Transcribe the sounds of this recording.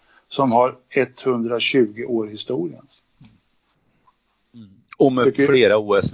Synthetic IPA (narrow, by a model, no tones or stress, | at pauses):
sɔmɦaɾɛt̪ːhɵnd̪ɾaɕʉ̟ːɡɪʔoːɾhɪst̪uːɾɪə̰n | ɔmɛfleːɾauːɛs